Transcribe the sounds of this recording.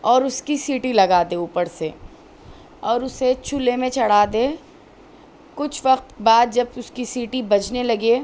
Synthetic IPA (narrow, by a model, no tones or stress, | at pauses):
ɔːɾʊskisiːʈilɐɡaːd̪euːpəɾse | ɔːɾʊset͡ʃʰʊlemẽt͡ʃɐɽ̤aːd̪eː | kʊt͡ʃʰʋɐqt̪baːd̪̚d͡ʒɐbʊskisiːʈibɐd͡ʒnelɐɡe